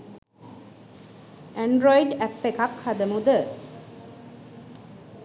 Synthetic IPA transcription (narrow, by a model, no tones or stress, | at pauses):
æɳɖɾɔiɖæpːekakhad̪əmud̪ə